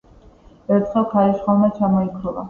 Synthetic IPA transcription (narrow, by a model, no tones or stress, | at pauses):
ɛɾt̪ʰχɛlˠkʰaɾiʃχɔlˠmat͡ʃʰamɔikʰɾulˠa̰